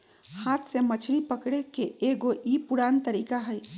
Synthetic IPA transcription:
haːt̪ʰsemət͡ʃʰɾipəkɽekeʔeɡoʔipuɽaːnt̪əɾikaɦəj

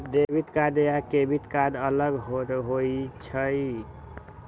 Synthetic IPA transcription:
d̪ebit̪kad̪jakebit̪kad̪ələɡɦoɦoit͡ʃʰəj

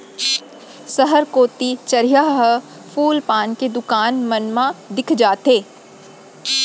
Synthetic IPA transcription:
səɦəɾkoːt̪it͡ʃɐɾijaɦɦ | pʰuːlpaːnked̪ʊkaːnmənmãd̪ɪkʰd͡ʒaːt̪eː

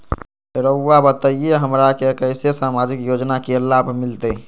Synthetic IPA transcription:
ɾəwːabət̪əieɦəmɾakekəɪsesamad͡ʒikjod͡ʒnakelabʱmilt̪ə

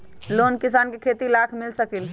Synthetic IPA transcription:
lonkis̬aːnkekʰet̪ilakʰmɪlsəkil

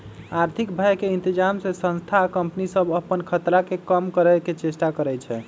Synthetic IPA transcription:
aɾt̪ʰikbʱəjkeint̪id͡ʒamsẽsə̃nst̪ʰaːkəmpənisəbəpənkʰət̪ɾakekəmkəɾəket͡ʃesʈakəɾɛt͡ʃʰɛ

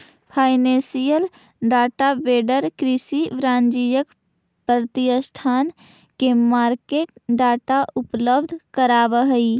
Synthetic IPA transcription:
pʰaːɪnẽsijəl | ɖaːʈabeːɖəɾkɾɪsiʋɾãːnd͡ʒijək | pɾət̪ijəsʈʰaːn | kemaːɾkeːʈ̚ɖaːʈaʔʊpləbd̪ʱkəɾaːʋəɦəi

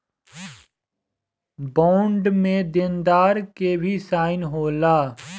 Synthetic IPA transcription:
bãːɳɖmẽd̪ɪnd̪aːɾkebʱisaːɪnɦoːlaː

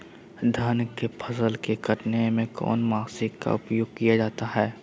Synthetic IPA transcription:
d̪ʱənkepʰɐsəlkeɡɐʈnemẽkɔ̰ːnmaːsɪkka̰ʊpjoːɡ̚kijad͡ʒaːt̪aɦɛː

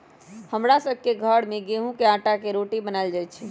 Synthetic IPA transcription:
həmɾasəbʱkeɡʱəɽmeɡeɦũkeãʈakeɾoʈibənaɪld͡ʒajt͡ʃʰi

